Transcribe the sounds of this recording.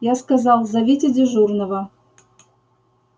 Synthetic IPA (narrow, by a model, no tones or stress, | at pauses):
jaskazɑlˠzɐvʲetʲedʲeʒurnəvə